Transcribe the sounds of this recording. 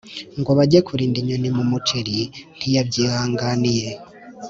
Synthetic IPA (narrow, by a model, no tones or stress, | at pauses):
ŋɡoβaɟekʰuɾiːndiɲonimumut͡ʃeɾin̥ijabɟiːhaːŋɡanije